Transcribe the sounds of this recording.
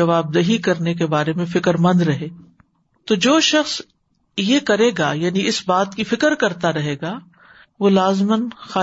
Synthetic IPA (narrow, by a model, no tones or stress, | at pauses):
ɐʋaːb̚d̪ɐɦikɐɾnek̬ebaːɾemẽfɪkəɾmɐ̃nd̪ɾɐɦeː | t̪od͡ʒoːʃɐxs | jekɐɾeːɡajaːniɪsbaːt̪kifɪkəɾkɐɾt̪aɾɐɦeːɡaː | ʋoːlaːzmənxaː